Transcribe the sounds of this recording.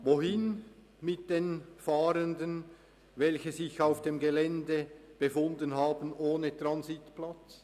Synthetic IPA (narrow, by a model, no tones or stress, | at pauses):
voɦɪn | mɪt̚d̥eːnfaːɾəndən | vɛlçəzɪçaʊfd̥eːmɡelɛndəb̥efʊndənɦaːbənʔoːnətranzitplat͡s